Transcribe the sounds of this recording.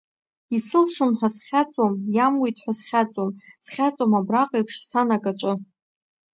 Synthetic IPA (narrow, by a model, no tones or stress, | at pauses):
isɨlʂɨnħʷᶣasχʲat͡sʼomjamwijtʼħʷᶣasχʲat͡sʼomsχʲat͡sʷʼomabraqʼejpʰʂsanakʼaʈ͡ʂʼɨ